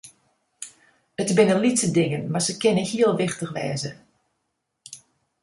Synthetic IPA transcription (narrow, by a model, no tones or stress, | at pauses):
ətbɪnəlitsədɪŋənmasəkɪnəhiəlˠʋɪxtəxʋɛ̰ːzə